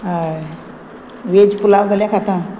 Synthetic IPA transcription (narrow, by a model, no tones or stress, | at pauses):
ɦaj | ʋed͡ʑpulaʋd͡zʱaljakʰat̪ã